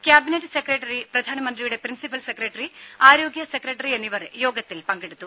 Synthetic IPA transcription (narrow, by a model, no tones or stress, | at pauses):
kʲjaːbineʈːɨsekreʈːɐriprɐd̪ʱaːnɐmɐnd̪rijuɽe̞prinsipɐlsekreʈːɐriaːɾo̞ːɡjɐsekrɐʈːɐɾienːiʋɐrjo̞ːɡɐt̪ːilpɐŋɡeɽut̪ːu